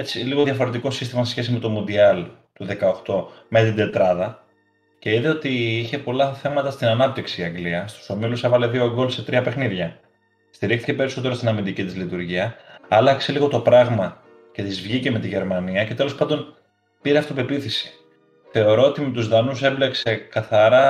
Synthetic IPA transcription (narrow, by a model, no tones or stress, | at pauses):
e̞t͡siliɣo̞ðiɐfo̞ɾe̞t̪̬iko̞sist̪imɐsesçe̞s̬ime̞t̪o̞mund̪iɐl | t̪uðe̞kɐo̞xt̪o̞me̞t̪id̪e̞t̪ɾɐðɐ | ce̞iðeo̞t̪iiçe̞po̞lɐθe̞mɐt̪ɐst̪inɐnɐp̚t̪iksiɐŋɡliɐst̪u̥so̞milusevɐleðioɡo̞lse̞t̪ɾiɐpe̞xniðʝɐ | st̪iɾixt̪ice̞pe̞ɾiso̞t̪e̞ɾo̞st̪inɐmind̪icit̪izlit̪uɾʝiɐɐlɐkse̞liɣot̪o̞pɾɐɣmɐ | cet̪izvʝice̞me̞t̪iʝe̞ɾmɐniɐce̞t̪e̞lo̞spɐnd̪o̞n | piɾeɐft̪ope̞piθisi̥ | θe̞o̞ɾo̞o̞t̪ime̞t̪uzðɐnusemble̞kse̞kɐθɐɾɐ